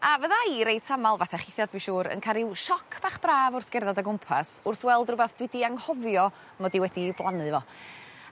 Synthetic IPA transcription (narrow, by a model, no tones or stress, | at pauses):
avəðaiɾejtʰamalˠvaθɛχɪθjad̚biʃuːɾə̰nkʰaɾɪwʃɔkʰb̥aːχb̥raːvʊrθɡ̥ɛrðadaɡʊmpʰasʊrθwɛlˠdrʊbaθd̥wɪdiaŋhɔvjɔ | mɔdiwɛdiblˠanɨvɔ